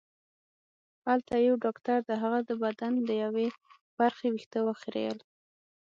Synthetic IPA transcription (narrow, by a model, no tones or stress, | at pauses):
halt̪ajawɖɑkt̪aɾd̪əɦaɣad̪əbad̪and̪əjawe | b̥aɾxewixt̪əwaxɾḛl